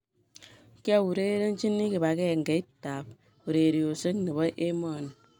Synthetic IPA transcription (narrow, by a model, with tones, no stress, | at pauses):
ka˦˨u˨ɾe˦ɾe˦n̩˦t͡ʃi˦nːi˦ki˨ba˨ke˦˨ŋ̩˨ɡe˨i˦ta˨p̚ | u˨ɾe˨ɾi˨o˨sɨ˦ŋ˦nɨ˨ba˦ʔe˦mɔ˦˨n